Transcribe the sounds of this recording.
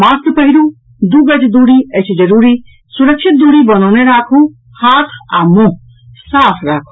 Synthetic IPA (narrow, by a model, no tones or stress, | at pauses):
maːst̪pɐɦiɾũ | d̪uɡɐd͡ʒd̪uːɽiɐt͡ʃʰd͡ʒɐɾuːɾi | suɾəkʃʰit̪̚d̪uːɽibɐnɔːneɾaːkʰu | haːt̪ʰamũɦ | saːpʰɾaːkʰu̥